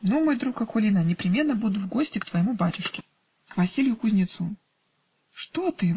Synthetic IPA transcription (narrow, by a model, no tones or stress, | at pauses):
nomo̞jd̪ɾukɐkolʲinənʲɪpɾʲɪmʲe̞nːəbud̪ʊvɡo̞sʲtʲɪkt̪vəjɪmubatʲʊʂkʲɪ̥ | kvɐsʲilʲɪjʊkʊzʲnʲɪt̪su | ʂt̪ot̪ɨ